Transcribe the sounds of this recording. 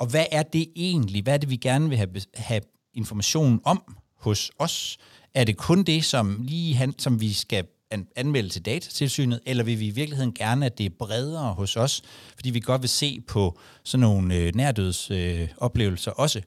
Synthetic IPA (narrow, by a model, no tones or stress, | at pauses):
ɒ̽ʋæʔæɐd̥e̝e̝̰ːn̩liʋææɐd̥e̝ʋiɡ̥æɐnəʋe̝ɦæhæ | e̝nfɒmæɕo̝̰ːnn̩ɒ̽m̰ | hɔ̽sɒ̽s | ʔæɐɾe̝kʰɔ̽nd̥e̝sɒ̽mliːɦænsɒ̽mʋisɡ̥æ | ænmel̰ət͡sʰe̝ld̥ɛːt͡sʰæ̥t͡sʰe̝lsy̰ːnð̩ˠelɐʋe̝ʋiːʋiɐɡ̥lihe̝ðˠn̩ɡ̥æɐnəæd̥e̝b̥ʁɛð̞ˠɐːhɔ̽sɒ̽sfɒd̥ḭːʋiɡ̥ɒ̽d̥ʋe̝se̝̰ːpʰɒ̽ | sɒ̽nːo̝ːn̩ønæɐ̰d̥øð̞̰ˠsøɒ̽b̥le̝ːʊl̩sɐʔɒ̽sə